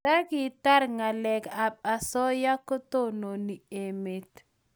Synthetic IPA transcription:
a˦ɡɪ˨ta˦ɾŋa˨lɛ˨ɡa˨b̚a˨sɔ˦ja˦ko˦to˦no˨ni˨e˨me˨t̪

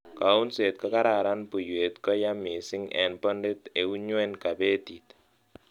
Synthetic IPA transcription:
ka˨u˦nse˨t̚kɔ˦ka˦ɾa˨ɾa˦npu˨jwe˨tkɔ˦ja˦mi˨sɪ˦ŋɛ̰˨npɔ˦nde˦te˨u˦ɲwɛ˦nka˨be˦ti˨t

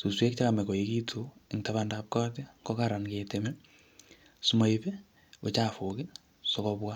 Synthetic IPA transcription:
su˨swe˦k̚t͡ʃa˦ka˨mɛ˨ko˨iki˦tʰu˨e˨ŋta˨βandap̚kɔ˦ti˦ŋɡɔ˦kaɾa˨nke˨teme˦ | su˨mo˦ipe˦ | o˨t͡ʃa˨fo˨kɪ˦ | so˨kɔbwa˦

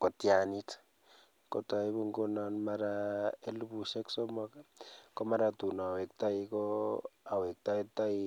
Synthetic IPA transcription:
ko˨tja˨ni˦tḁ | ko˨ta˨i˦βo˦ŋɡo˦na˨nma˦ɾa˦e˦lu˦βu˨ʃe˦kso˦mɔkako˦ma˦ɾatu˨na˨we˨kta˦i˦koa˨we˨k̚ta˦i˦ta˦i˦

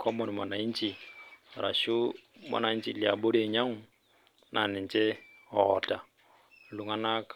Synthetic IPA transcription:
kʰɔ˦mɔ˨ni˨ma˨na˨i˦nt͡ʃi˨ɾa̰˨ʃu˦ma̰˨na˨˦i˦nt͡ʃi˨li˨a˨bo˦ɾe˨ɲa˦ŋu˦ | nʔa˨nɛ˨nt͡ʃɛ˦ | ɔ˨ta˨ | lu˨ŋa˦na˦k

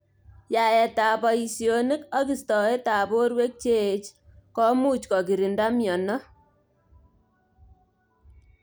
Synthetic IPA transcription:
ja˨jɛ˨ta˨pɔ˨i˨sjo˨ni˦ka˦ki˨stɔ˨e˦ta˨bo˦ɾwe˦k̚t͡ʃe˦t͡ʃkɔ˦mu˦t͡ʃkɔ˨ki˨ɾi˨nda˦mjɔ˨nɔ˦

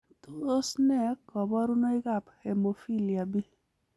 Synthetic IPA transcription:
to˦o˦snɛ˦kɔ˨bɔ˦ɾu˦no˦i˦ɡa˦˨phe˨mo˨fi˦li˨a˨bi˦

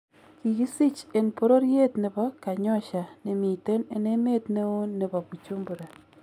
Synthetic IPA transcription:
ki˨ki˦si˦t͡ʃe˨npo˦ɾo˦ɾje˦tnɪ˨bɔ˦ka˨ɲɔ˦ʃa˨nɪ˨mi˨te˦ne˦ne˦me˦tne˦o˦nːɪ˨bɔ˨ku˨t͡ʃo˦mbu˨ɾa˨

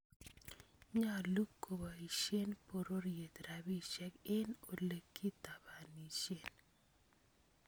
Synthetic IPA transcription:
ɲa˦˨lu˦kːo˨ba˨i˨ʃe˦npo˨ɾo˦ɾje˨t̪ɾa˨bi˦ʃɛ˦kɪ˦no˨le˨kːi˦ta˨ba˨ni˨ʃje˦˨n

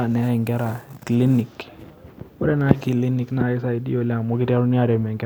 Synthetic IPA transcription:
a˨nɛ˨˦ɛ˨ŋɡɛ˦ɾa˨kli˦ni˨k | ɔ˦ɾɛ˦na˦ki˨li˦ni˦kna˨ɪ˦sa˨i˨˦dḭ˦o˨lɛ˦a˨mʊ˦kɪ˦ta˦ɾu˦ni˦a˨dɛ˨mɛ˨ŋɡ

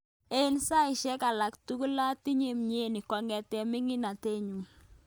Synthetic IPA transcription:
e˦nsa˦ɪ˨ʃɛ˦ka˨la˨ktu˦ku˦la˦ti˦ɲe˨mɲe˦˨ni˨kɔ˨ŋɛ˨tɛ˨mɪ˦ŋɪ˦na˨te˦ɲu˨ŋ

